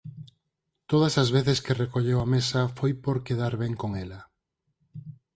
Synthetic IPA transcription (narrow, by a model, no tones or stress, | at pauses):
t̪oð̞ɐsazβ̞eθeskerekoʎewamesafojpoɾkeðaɾβeŋkoŋela